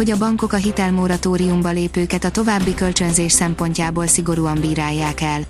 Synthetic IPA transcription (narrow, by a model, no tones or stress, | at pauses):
o̞ɟɒbɒŋko̞kɒɦit̪ɛlmo̞ɾɒt̪oːɾiumbɒleːpøːkɛt̪ɒt̪o̞vaːbːikø̞lt͡ʃø̞nzeːʃsɛmpo̞ɲcaːboːlsiɡo̞ɾuːɒɱbiːɾaːjːaːkɛl